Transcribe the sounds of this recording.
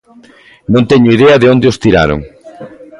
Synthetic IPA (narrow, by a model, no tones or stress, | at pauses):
nõnt̪ɛɲʊiðɛɐðɪond̪eost̪iɾa̰ɾo̰ŋ